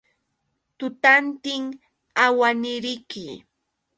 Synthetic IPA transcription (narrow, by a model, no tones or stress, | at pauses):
t̪ʊt̪ant̪ɪŋ | awanɪɾɪjkɪ